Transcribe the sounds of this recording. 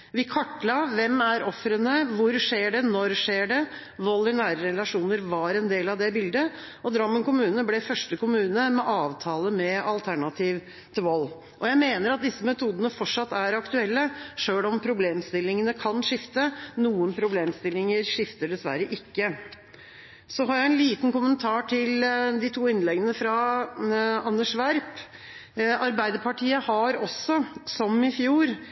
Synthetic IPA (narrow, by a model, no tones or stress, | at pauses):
ʋɪkʰɑʈːlɑʋɛmæɾɔfɾənəʋʊɾʂeːɖɛnɔɾʂeːɖɛ | ʋɔlːəɳæːɾəɾɛlɑʂuːnəɾʋɑɾɛnd̪eːlɑʋd̪ɛbɪld̪ə | ʔɔd̪ɾɑmːənkʊmʉːnəəblɛfœʂʈəkʊmʉːnəmɛʔɑːʋt̪ʰɑːləmɛɑlt̪ʰæɳɑt̪ʰiːʋ | t̪ʰɪlʋɔl | ʔɔjæɪmeːnəɾɑt̪̚d̪ɪsːəmɛt̪ʰuːd̪ənəfɔʈʂɑt̪ːæɾɑkt̪ʉɛlːəʂøːlɔmpʰɾʊbleːmst̪ɪlːɪŋənəkʰɑnʂɪft̪ənuːənpʰɾʊbleːmst̪ɪlːɪŋəɾʂɪft̪əɖɛsʋæ̰ɾəʔɪkːə | sɔɦɑːɾjæɪɛnliːt̪n̩kʊmənt̪ʰɑːʈʰɪld̪ɪt̪ʰuːɪnlɛɡənəfɾɑ | ɑnːəʂʋæɾp | ɑɾbæɪd̪əɾpʰɑʈʰiːəhɑɾɔsːɔsɔmɪfjuːɾ